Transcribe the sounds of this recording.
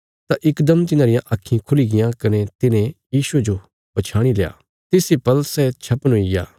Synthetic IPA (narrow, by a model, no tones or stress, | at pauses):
t̪aʔɪkd̪ɐmt̪ɪnãːɾɪjãʔaːkʰːij̃kʰʊliɡɪjãkɐnet̪ɪnẽjiːsued͡ʒo | pɐt͡ʃʰaːɽ̃ileːa̰ː | t̪ɪːsipɐlsɛt͡ʃʰɐpənɦoija̰ː